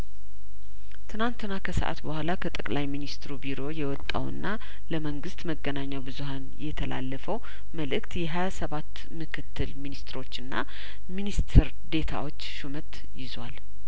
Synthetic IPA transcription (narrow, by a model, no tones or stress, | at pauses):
t̪ʰɨnant̪ɨnakʰəsə̰ʔa̰t̪bəhʷalakʰət̪ʼəkʼlajminist̪ɾubiɾo̞jɛwɔt̪ʼːa̰wɨ̰nːa | ləməŋɡɨst̪məɡːənaɲːawbɨzuhanjɛt̪ʰəla̰lːəfəw | məlɨkt̪jɛɦajasəβat̪ː | mɨkʰɨt̪ʰːɨlminist̪ɨɾo̞t͡ʃːɨnːa̰ | minist̪ʰɾ | d̪e̞t̪ʰa̰wot͡ʃːʃumət̪ | jɪzwa̰l